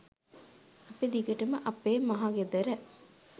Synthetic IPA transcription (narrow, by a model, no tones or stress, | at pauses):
ɐped̪ikəʈɐməʔɐpːeːmɐɦaɡed̪əɾə